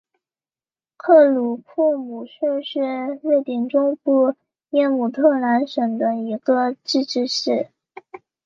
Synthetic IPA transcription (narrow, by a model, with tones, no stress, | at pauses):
kʰɤ˥˩lu˨˩kʰu˥˩mu˨˩ʂʰɛ˥˧ʂɻ̩˥˧ɻe˥˩ɪt̪i˥˩ŋʈ͡ʂʊ˥ŋpu˥˧ | jɛ˥˩mu˨˩t̪ʰɤ˥˩la˧˥nʂɤ˨˩ŋd̪ə˦i˧˥ɡə˧ʈ͡ʂɻ̩˥˧ʈ͡ʂɻ̩˥˧ʂɻ̩˥˩